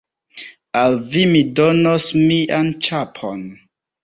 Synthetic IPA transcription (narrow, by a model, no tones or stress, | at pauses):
alvimidonosmiʔant͡ʃapʰo̰n